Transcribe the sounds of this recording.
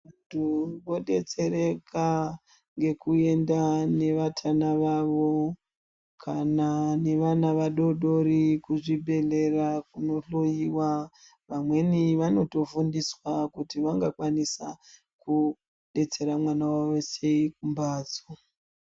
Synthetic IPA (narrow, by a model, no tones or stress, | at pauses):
antʰuʋo̞ɗe̞t͡se̞ɾe̞ka | ŋɡe̞kue̞ndane̞ʋatʰanaʋaʋo̞ | kʰanane̞ʋanaʋaɗo̞ɗo̞ɾikuʐibʱe̞ɮe̞rakuno̞ɬo̞jiwa | ʋamwe̞niʋano̞to̞fundiswakutiʋaŋɡakwanisa | ku | ɗe̞t͡se̞ɾamwanawawose̞ik̚umbaːd͡zo